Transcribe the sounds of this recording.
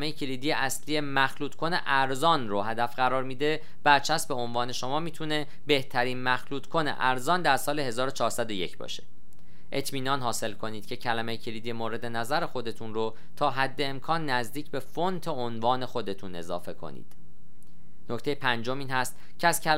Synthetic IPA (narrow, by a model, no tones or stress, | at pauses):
mejecʰelid̪ijeʔæsliːe̞mæxluːt̪ʰkʰo̞ne̞ʔæɾzɒːnroɦæd̪æfɢæɾɒːɾmiːd̪e | b̥æɾt͡ʃʰæsbe̞onvɒːne̞ʃo̞mɒːmiːt̪ʰune̞ | be̞ht̪ʰæɾiːnmæxluːt̪kʰonḛʔæɾzɒːnd̪æɾsɒːle̞ɦe̞zɒːɾot͡ʃʰɒːhɾsæd̪o̞je̞̰cʰbɒ̰ːʃe̥ | ʔe̞t̪ʰmiːnɒːnɦɒːse̞lkʰo̞niːd̪̥̚cʰe̞cʰælæmejecʰelid̪ijemoːɾe̞d̪e̞næzæɾexo̞d̪e̞t̪ʰunɾo | t̪ʰɒːɦæd̪ːe̞ːmkʰɒːnːæzd̪iːcbe̞font̪ʰeonvɒːne̞xo̞d̪e̞t̪ʰune̞̰zɒ̰ːfe̞kʰo̞̰nḭːd̪̥ | nocʰt̪e̞jepʰænd͡ʒo̞miːnhæst̪ | cʰeæz̥cʰæl